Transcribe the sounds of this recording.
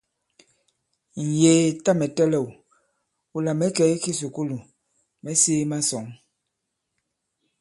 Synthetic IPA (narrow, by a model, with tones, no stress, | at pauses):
n̩˨jeː˨˦ta˦mɛ˨tɛ˦lɛ˦˨w | u˨la˨mɛ˦kɛ˨˦i˦ki˦su˨ku˦lu˨ | mɛ˦seː˦ma˦sɔ˨˦ŋ